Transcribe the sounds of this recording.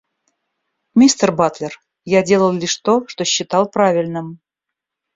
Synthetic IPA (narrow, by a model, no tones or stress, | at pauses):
mʲist̪ərbat̪lʲɪr | jadʲe̞lˠəlˠlʲiʂt̪oʂt̪oɕːɪt̪ɑlˠpɾavʲɪlʲnɨm